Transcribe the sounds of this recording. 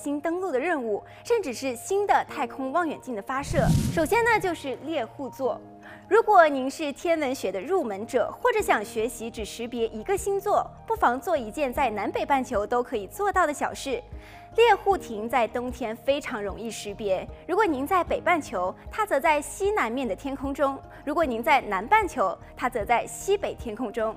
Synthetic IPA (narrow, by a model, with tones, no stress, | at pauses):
ɕi˥nt̪ɤ˥ŋlu˥˩d̪ə˩ɻə˥˧nu˥˩ | ʂə˥˩nʈ͡ʂɻ̩˨˩ʂɻ̩˥˩ɕi˥nd̪ə˨t̪ʰa˥˩ɪkʰʊ˥ŋwɑ˥˩ŋɥɛ̰˨˩nt͡ɕi˥˩ŋd̪ə˩fa˥ʂɤ˥˩ʂo˨˩ʊɕjɛ˥nə˧t͡ɕjo˥˧ʊʂɻ̩˥˧ljɛ˥˧xu˥˧t͡swɔ˥˩ | ɻu˧˥kwɔ˨˩ni˧˥nʂɻ̩˥˩t̪ʰjɛ˥nwə˧˥nɕɥɛ˧˥d̪ə˧ɻu˥˩mə˧˥nʈ͡ʂɤ̰˨˩xwɔ˥˩ʈ͡ʂɤ˧˥ɕjɑ˥˩ŋɕɥɛ˧˥ɕi˧˥ʈ͡ʂɻ̩˨˩ʂɻ̩˧˥pjɛ˧˥ʔi˧˥ɡə˧ɕi˥nt͡swɔ˥˩pu˥˩fɑ˧˥ŋt͡swɔ˥˩i˧˥t͡ɕjɛ˥˧nt͡sa˥˩ɪna˧˥npe˨˩ɪpa˥˩nt͡ɕʰjo˧˥ʊt̪o˥ʊkʰɤ˧˥i˨˩t͡swɔ˥˧t̪ɑ˥˩ʊd̪ə˩ɕjɑ˨˩ʊʂɻ̩˥˩ | ljɛ˥˧xu˥˩t̪ʰi˧˥ŋt͡sa˥˩ɪt̪ʊ˥ŋt̪ʰjɛ˥nfe˥ɪʈ͡ʂʰɑ˧˥ŋɻʊ˧˥ŋi˥˩ʂɻ̩˧˥pjɛ˧˥ɻu˧˥kwɔ˨˩ni˧˥ŋt͡sa˥˩ɪpe˨˩ɪpa˥˩nt͡ɕʰjo˧˥ʊt̪ʰa˥t͡sɤ˧˥t͡sa˥˩ɪɕi˥na˧˥nmjɛ˥˩nd̪ə˩t̪ʰjɛ˥nkʰʊ˥ŋʈ͡ʂʊ˥ŋ | ɻu˧˥kwɔ˨˩ni˧˥ŋt͡sa˥˩ɪna˧˥npa˥˩nt͡ɕʰjo˧˥ʊt̪ʰa˥t͡sɤ˧˥t͡sa˥˩ɪɕi˥pe˨˩ɪt̪ʰjɛ˥nkʰʊ˥ŋʈ͡ʂʊ˥ŋ